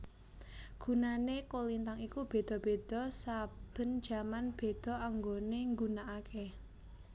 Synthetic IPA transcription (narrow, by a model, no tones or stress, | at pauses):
ɡ̥unanekolint̪aŋikub̥e̤d̪̥ɔ̤b̥e̤d̪̥ɔ̤sab̥ə̤nd̥d͡ʒ̥ä̤manb̥e̤d̪̥ɔ̤aŋɡoneŋɡunaʔakʰe